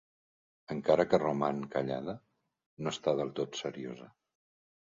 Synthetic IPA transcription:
əŋkaɾəkərumaŋkəʎa̰ðə | noəst̪að̞əlˠt̪ot̪səɾiozə

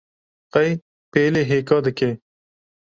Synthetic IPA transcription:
qɐj | peːleɦeːkɑːd̪ɐkeː

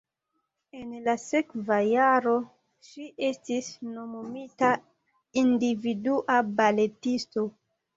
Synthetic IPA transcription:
e̞nlase̞kvajaɾo̞ | ʃiʔe̞stisno̞momita | individuʔabale̞tisto̞

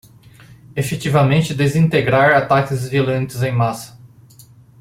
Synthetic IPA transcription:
efet͡ʃ̪ivɐmẽnt͡ʃɪd̪ezĩnt̪eɡɾaɾat̪akʲɪzvilɐ̃nt͡ʃ̪ɪzẽj̃masɐ̥

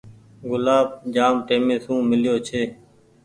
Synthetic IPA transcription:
ɡʊlaːb̚d͡ʒaːmʈeːmeːsũːmɪlɪjoːt͡ʃʰeː

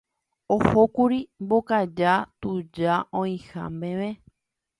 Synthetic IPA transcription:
ohokuɾimbokad͡ʒat̪ud͡ʒaʔõĩhã̰mbẽʋẽ

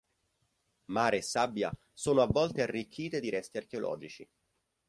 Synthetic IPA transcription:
maːɾeːsːabːja̰ | soːnoavːɔlt̪earːikʰːiːt̪ed̪iɾɛst̪iark̟eolʔɔ̰ːd͡ʒit͡ʃi

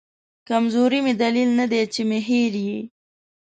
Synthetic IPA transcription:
kamzoɾimed̪alilnad̪et͡ʃemɪɦiɾji

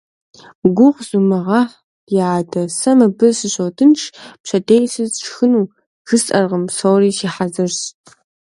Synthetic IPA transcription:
ɡʷʊʁzumɨʁɑħ | jaːdʰɐsɐmɨbɨsɨɕowtʰɨnʂpɕɐdejsɨzʈ͡ʂʰxɨnuː | xɨstʼɐrʁəmsowriːʃiːħazɐrɕ

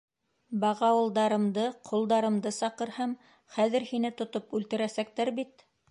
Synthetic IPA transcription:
bɑʁɑwɤ̆lˠd̪ɑɾɤ̆md̪ɤqʰŏlˠd̪ɑɾɤ̆md̪ɤsɑqɤ̆ɾhɑm | χæðɘ̆ɾhinɘt̪ŏt̪opʉlt̪ɘ̆ɾæsæk̚t̪æɾbit̪

